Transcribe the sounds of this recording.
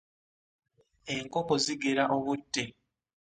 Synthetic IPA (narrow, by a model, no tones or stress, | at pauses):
e̞ŋkoko̞ziɡeɾaʔoβutːe